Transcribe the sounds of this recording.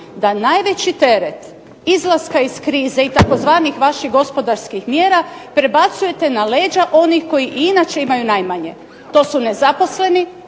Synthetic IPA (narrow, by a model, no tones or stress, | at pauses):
d̪anajʋe̞t͡ɕit̪e̞ɾe̞t̪ | izlˠaskaiskɾiːzeit̪ako̞zʋaːnixʋaʃiɣɡo̞spo̞d̪aɾskixmjeːɾapɾe̞bat̪suje̞t̪e̞nale̞ːd͡ʒaʔo̞nixko̞jiʔinat͡ʃe̞imajunajmaɲe̞ | t̪o̞ːsune̞zapo̞sle̞ni